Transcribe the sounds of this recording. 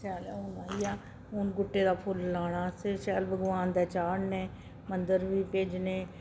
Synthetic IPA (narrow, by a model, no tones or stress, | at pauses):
saːlɛʊnaːiːaː | ʊnɡʊʈːeːd̪aːpʰʊlːaːɽaːsɪɾsɛːlbəɡʋaːnd̪ɛːt͡ʃaːɽnẽː | mənd̪əɾʋiːpeːd͡ʒneː